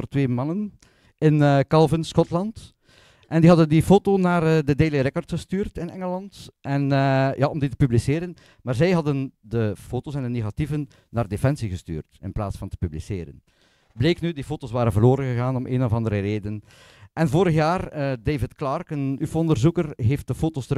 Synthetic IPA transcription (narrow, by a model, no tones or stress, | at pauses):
ərtʋeːmɑnən | ɪnəkɑlˠvɪnsxɔtlɑnt | ʔɛndiɦɑdəndifoːtonaːrədədeːleɾɛkɔrtxəstyːrtɪnɛŋəlɑntʔɛnːjʔaʔɔmditə̥pyblisɪːɾən | maːrzɛjɦɑdəndəfoːtoːsɛndəneːɣativənː | aːrdefɛnsiɣəsty̰ːrtɪ̰nplaːtsfɑntə̥pyblisḛːɾə̰n | bleːknydifoːtoːsʋaːɾənvərloːɾənɣəɣaːnɔmʔḛːnɔvɑndəɾəreːdən | ʔɛnvoːɾəxjaːrədeːvɪtklɑrkənyfoɔndərzukərɦeːft̚d̥əfoːtoːstə